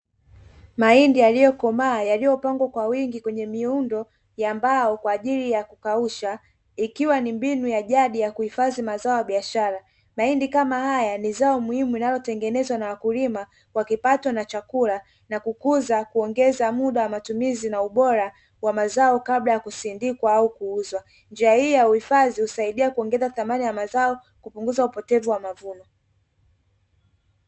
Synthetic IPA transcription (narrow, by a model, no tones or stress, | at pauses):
maindijalijɔkɔmaːjalijɔpaŋɡwakwawiŋɡikwɛɲɛmiundɔ | jambaɔkwaːʄilijakukauʃa | ikiwanimbinujaʄaɗijakuhifazimazaɔjaɓiaʃaɾa | maindikamahajanizaɔmuhimuinajɔtɛŋɡɛnɛzwanawakulima | kwakipatɔnat͡ʃakula | nakukuzakuɔŋɡɛzamuɗawamatumizinauɓɔɾa | wamazaɔkaɓlajakusindikwaaukuuzwa | nd͡ʒiahijɔjauhifazihusaiɗiakuɔŋɡɛzaθamanijamazaɔ | kupuŋɡuzaupɔtɛvuwamavunɔ